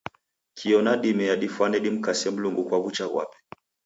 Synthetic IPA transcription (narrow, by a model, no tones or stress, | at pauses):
kʰiɔnaɗimɛjaɗifwanɛɗim̩kasɛm̩luŋɡukwaβut͡ʃaɣwa̰pɛ̥